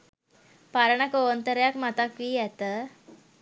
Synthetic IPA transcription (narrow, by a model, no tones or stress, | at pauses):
paɾəɳakoʋənt̪əɾjakmat̪akʋiːɛt̪ə